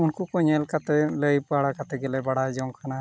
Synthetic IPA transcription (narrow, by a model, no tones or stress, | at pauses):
unkukɔɲɛlkat̪ɛləjpaɽakat̪ɛɡɛlɛbaɽajd͡ʒɔŋkʰana